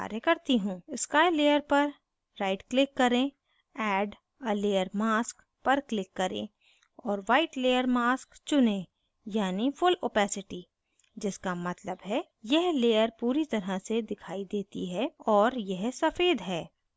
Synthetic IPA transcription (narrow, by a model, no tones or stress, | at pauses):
a̰ːɾjəkɐɾt̪iɦũːɪskaːɪleːjəɾpɐɾː | aːɪʈklɪkːɐɾẽ | ɛːɖ | əleːjəɾmaːsk | pɐɾklɪkːɐɾḛ̃ː | ɔːɾʋaːɪʈleːjəɾmaːskt͡ʃʊnẽ | jaːnifʰʊloːpɛːsɪʈi | d͡ʒɪskamɐt̪ləbɦɛ | jɛɦleːjəɾpuːɾit̪ɐɾəsed̪ɪkʰaːid̪eːt̪ḭɦɛɔːɾjɛɦsɐfeːd̪ɦɛː